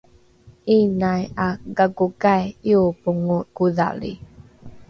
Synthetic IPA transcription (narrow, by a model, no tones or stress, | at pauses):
ʔinajaɡaɡukajiupuŋukuða̰lḭ